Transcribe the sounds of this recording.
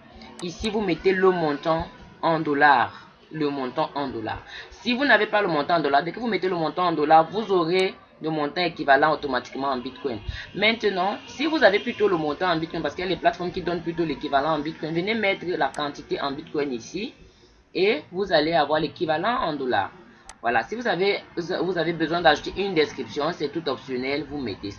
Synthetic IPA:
isivumeteləmɔ̃t̪ɑ̃ɑ̃d̪olaʁ | ləmɔ̃t̪ɑ̃ʔɑ̃d̪ola̰ːʁsivunavepaləmɔ̃t̪ɑ̃ːd̪olaʁd̪ɛkəvumeteləmɔ̃tɑ̃ːd̪olaʁvuzoʁe | ləmɔ̃tɑ̃ekivalɑ̃otomati̥kmɑ̃ɑ̃bit̚kɔjnmɛ̃t̪ənɑ̃sivuzaveplytoləmɔ̃t̪ɑ̃ɑ̃bit̚kɔnpaskijalɛplatfɔʁmkid̪ɔnplyt̬olekivalɑ̃ːbit̪̚kɔjnvənemɛt̪χəlakɑ̃t̪iteʔɑ̃bit̪̚kɔjnisi | evuzaleavwaʁlekivalɑ̃ɑ̃d̪ola̰ʁ | vwa̰la̰sivuzavevuzavebəzwɛ̃d̪aʒut̪eʔynd̪ɛskχipsjɔ̃sɛt̪ut̪ɔpsjɔnɛlvumɛ̰tesa

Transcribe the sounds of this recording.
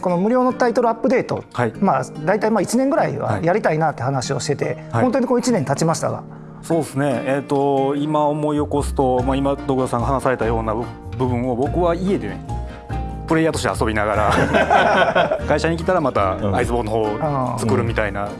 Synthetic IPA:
ko̞no̞mɯ̟ɾʲo̞ːno̞t̪ait̪o̞ɾɯ̟apːɯ̟d̪e̞ːt̪o̞̰haimad̪ait̪aimait͡ɕinẽ̞ŋɡɯ̟ɾaḭβa̰jaɾʲit̪ainat̪ːehanaɕio̞̰ɕi̥t̪e̞t̪e̞̰hont̪oɲikoit͡ɕinẽ̞nt̪at͡ɕimaɕi̥t̪a̰ɡa̰ | so̞ːdsɨne̞ːt̪ːo̞imaomo̞io̞ko̞sɨ̥t̪o̞maimad̪okɯd̪asãŋɡaɦanasaɾe̞t̪ajo̞ːnabɯ̟bɯ̟̃ɰ̃o̞bo̞kɯ̟βaie̞d̪eo | pɯ̟ɾe̞jat̪o̞ɕ̬t̪easo̞bʲinaɡaɾa | kaiɕaɲ̟ik̬ʲit̪aɾamat̪aaisɨbo̞ːnːohoːat͡sɨ̥kɯ̟ɾɯ̟mʲit̪aina

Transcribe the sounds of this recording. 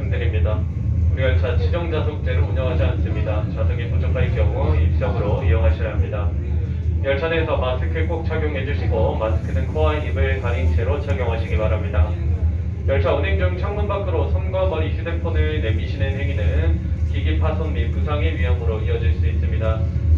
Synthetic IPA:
ŋdɯɾimɲida | uɾiʌɭt͡ɕʰat͡ɕʰid͡ʑʌŋd͡ʑasʰok̚t͡ɕ͈e̞ɾopuɲʌŋɦad͡ʑians͈ɯmɲidat͡ɕadʰɯŋipot͡ɕʰʌk͈ʰaik͈jʌmoip̚t͡ɕ͈ʌɡɯɾoḭʌŋɦaɕʰiɾɦamɲida | jʌɭt͡ɕʰaneːsʰʌpas͈ʰɯkʰek͈ok̚t͡ɕʰaɡjoŋɦe̞d͡ʑuɕʰiɡomasʰɯ̥kʰɯnɯnkʰoɦaibɯɭkaɾint͡ɕʰeɾot͡ɕʰaɡjoŋɦaɕʰiɡimaɾɦamɲida | jʌɭt͡ɕʰaʌneŋd͡ʑɯŋt͡ɕʰʌŋmunbak͈ɯɾosʰʌnɡamʌniɕʰidepʰonɯɭne̞miɕʰinenɦe̞ŋinɯnkiɡipʰasʰʌmːipusʰaŋeɥiɦamɯɾoiʌd͡ʑiɭs͈uis͈ɯmɲida

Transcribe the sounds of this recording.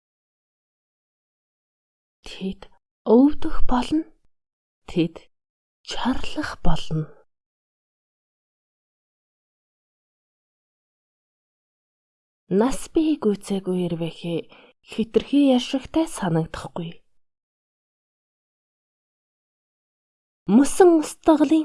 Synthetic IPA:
t̪ʰet̪ | ɵwt̪ɵ̆xpɔɮɞ̆n | t̪ʰet̪ | t͡ɕʰarɮə̆χpɔɮɞ̆n | naspʲikujt͡seːɣujerpæːxeː | xet̪ɘ̆rxiːjarʃɪ̆kt̪ʰæːsanə̆kt̪ə̥̆χɡuj | mɵsɘ̆ŋʊst̪ə̆ʁɮiː

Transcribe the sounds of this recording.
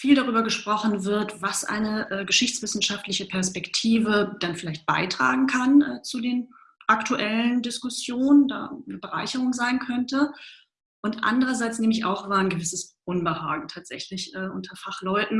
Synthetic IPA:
fiːldaʁyːbɐɡəʃpʁ̥ɔχn̩vɪɐtvasʔa̰ɪnəʔɛːɡəʃɪçt͡sv̥ɪsn̩ʃaftlɪçəpʰɛɐspɛktʰiːvəd̥anfɪlaɪçt̚b̥a̰ɪtʁ̥a̰ːɡŋ̩kʰanʔɛːt͡sudeːn | ʔaktuʔɛləndɪskʊsjoːnənda̰ːnəbəʁa̰ɪçəʁʊŋzaɪnkʰœntə | ʔʊntʔa̰ndəʁɐzaɪt͡sneːməɪça̰ʊxv̥aːɐnɡəvɪsəsʔʊnbəhaːɡŋ̩tʰaːtz̥ɛ̰çlɪçʔɛːʔʊntʰɐfaχlɔʏtn̩

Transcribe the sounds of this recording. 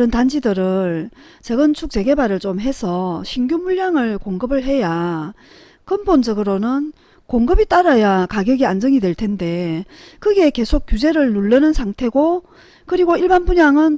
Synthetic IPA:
ɾɯntand͡ʑidɯɾɯɭ | t͡ɕeɡɯnt͡ɕʰuk̚t͡ɕ͈e̞ɡe̞baɾɯɭt͡ɕomɦe̞sʰʌɕʰiŋɡjumuʎjaŋɯɭkoŋɡɯbɯɭɦe̞ja | kɯmbond͡ʑʌɡɯɾonɯn | koŋɡɯbit͈aɾajakaɡjʌɡiand͡ʑʌŋidwe̞ɭtʰe̞nde̞ | kɯɡe̞ke̞sʰok̚k͈jud͡ʑe̞ɾɯɭːuɭːɯnɯnsʰaŋtʰe̞ɡo | kɯɾiɡoiɭbanbuɲaŋɯn

